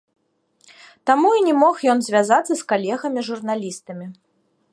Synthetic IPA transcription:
t̪amuinʲɛmɔxjɔnzʲvʲazat̪sːɐskalʲɛɣɐmʲiʐurnalʲist̪ɐmʲi

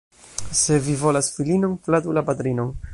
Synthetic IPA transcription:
se̞vivo̞lasfilinonplad̪ulabad̪ɾino̞n

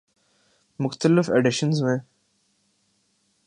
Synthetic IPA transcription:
mʊxt̪əlɪfeɖɪʃənzmẽ

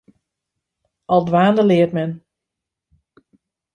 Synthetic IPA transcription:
ʔɔlˠdʋaːndəlɪətmɛn

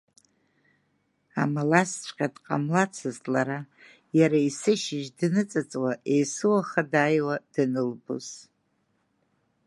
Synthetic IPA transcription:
amalast͡ɕʷʰʼqʲʼadqʼa̰mlat͡sʰɨztʼlaɾa | jaɾaisɨʃɪʒdnɨt͡sʼat͡sʼwaʔe̞jsɨwaχadaːjwad̥ɨnɨlbṵz̥

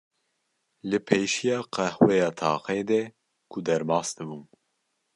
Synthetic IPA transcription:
lɨpʰejʃijɑːqɛhwɛjɑːt̪ʰɑːqɛd̪ɛ | kʰud̪ɛɾmɑːsd̪ɨbun

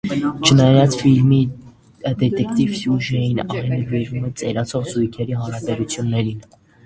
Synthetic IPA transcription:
t͡ʃʰənɑjɑt͡sfilmi | d̪ɛt̪ɛkʰt̪ivsjuʒɛjinɑjnəviɾvumɛt͡sɛɾɑt͡sʰɔʁzujkʰɛɾiɦɑɾɑbɛɾut͡sʰjunːɛɾin

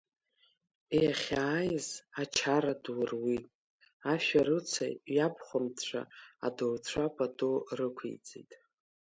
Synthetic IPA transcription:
ejaχʲaːjzat͡ʃʰaɾadwrwi | aʃᶣaɾɨt͡sʰa̰jjapʰχʷʊmt͡ɕʷʰa̰a̰dowt͡ɕʷʰapʼadorɨkʷʰḛjt͡sʼḛjtʼ

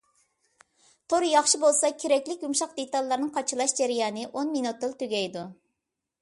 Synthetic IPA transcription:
t̪ʰoɾjɑχʃɨbolˠsɑkʲʰeɾɛkʲlɪk̚ʲɡumʃɑq̚d̪et̪ɑlˠːɨɾnɨŋqʰɑt͡ʃʰɨlˠɑʃd͡ʒæɾɪjɑːnɨʔonminut̪̚ːɨlˠt̪ʰyɡʲɛjd̪u

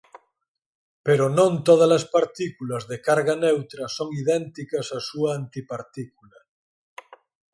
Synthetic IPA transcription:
peɾonõnt̪oð̞alaspaɾt̪ikulazðekaɾɣanewt̪ɾɐsoŋiðɛnt̪ikasasuaːnt̪ipaɾt̪ikula

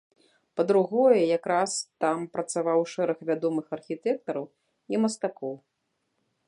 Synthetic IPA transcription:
pɐd̪ɾuɣɔjɛjakɾast̪ampɾɐt̪savawʂɛɾɐxvʲad̪ɔmɨxɐrxʲit̪ɛk̚t̪ɐɾɐw | imɐst̪akɔw

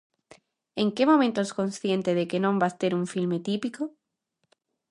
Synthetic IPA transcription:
eŋkemomẽnt̪oeskõnsθjẽnt̪eðekenõmbast̪eɾuɱfilmet̪ipiko

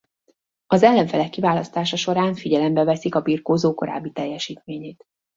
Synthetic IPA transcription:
ɒzɛlːɛɱfɛlɛkːivaːlɒst̪aːʃɒʃo̞ɾaːɱfiɟɛlɛmbɛvɛsikɒbirkoːzoːko̞ɾa̰ːbːit̪ɛjːɛʃiːt̪meːɲeːt̪

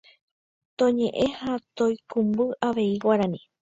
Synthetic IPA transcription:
t̪õɲẽ̞ʔẽ̞hat̪õjkumbɨʔaʋe̞iwaɾãnĩ

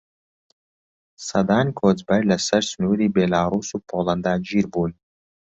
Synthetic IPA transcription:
sɐd̪aːnʲkʰoːzbɐjʲlɐsɐɾsnuːɾiːbelaːɾuːsupʰolˠɐnd̪aːd͡ʒiɾbulʲ

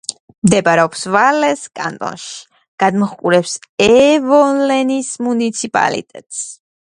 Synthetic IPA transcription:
md̪ɛbaɾɛɔpsvalɛskʼa̰nt̪ʼɔ̰nʃi̥ | ɡ̥ad̪mɔχkʼuɾɛpsɛvɔlɛnismunit̪sʰipʼa̰lḭt̪ʼɛt̪ʼs

